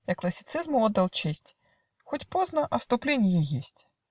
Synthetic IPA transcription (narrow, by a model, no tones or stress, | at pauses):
jɐklˠɐsʲɪ̥t̪sɪzmʊɔd̪ːɐlˠt͡ʃɪsʲtʲ | xɔtʲpɔznɐʔɐst̪ʊplʲinʲjijisʲtʲ